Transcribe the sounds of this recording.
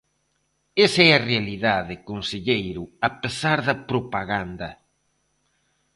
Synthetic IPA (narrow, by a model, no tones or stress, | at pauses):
esɛɐrealiðaðekonseʎejɾʊapesaɾðɐpɾopaɣand̪ɐ